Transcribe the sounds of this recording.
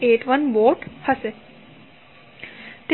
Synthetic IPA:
eːʈʋɐnʋoːʈhʰɐse | t̪

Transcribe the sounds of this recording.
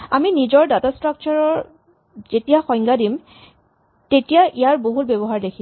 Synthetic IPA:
aminizɔɹdatastɹak̚t͡ʃaɹɔɹ | z̥etijaxɔj̃ŋɡadim | tetijaʔijaɹboɦut̚bebɔɦaɹdekʰi

